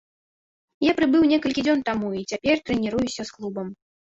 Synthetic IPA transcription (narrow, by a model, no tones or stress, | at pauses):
japɾɨbɨwnʲɛkɐlʲkʲid͡zʲɔnt̪amuit͡sʲapʲɛrt̪ɾɛnʲiɾujusʲɐsklˠubɐm